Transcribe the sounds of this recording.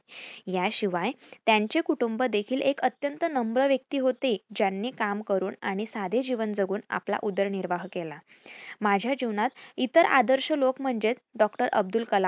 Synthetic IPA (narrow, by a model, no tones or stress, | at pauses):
jaɕiʋajt̪jaɲt͡ɕekuʈumbəd̪ekʰiːlʔekət̪jənt̪ənəmbɾəʋjək̚t̪iːɦot̪ed͡ʑjanːiːkamkəɾuːna̰ɽ̃isad̪ʱed͡ʑiʋənd͡zəɡuːna̰pla̰ʔud̪əɾniɾʋaɦkela | mad͡ʑʱjad͡ʑiʋnat̪it̪əɾa̰d̪əɾɕəlokm̤əɳd͡ʑet͡s̪ɖɔkʈəɾəb̚d̪ulkəla